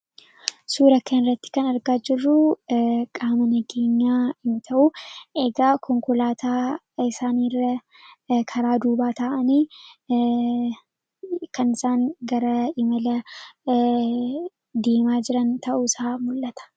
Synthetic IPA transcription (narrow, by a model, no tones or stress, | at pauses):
suːɾɐkːɐnɪrːɐt̪ːɪ̥kɐnɐɾɡaːd͡ʒɪrːʊ | kʼaːmɐnɐɡe̞ːɲːaːɪmɐt̪ʰɐʔʊɛɡaːkʰɔŋkɔlaːt̪ʰaː | ɪsaːniːrːɐ | kʰɐɾaːd̪uːbaːt̪aːʔɐniː | kɐnɪsaːŋɡɐɾɐɪmɐlɐ | d̪e̞ːmaːd͡ʒɪɾɐnt̪ʰɐʔʊsaːmʊlːɐt̪ɐ̥